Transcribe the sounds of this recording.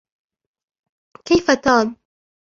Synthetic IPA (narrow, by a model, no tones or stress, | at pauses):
kajfat̪ɑːn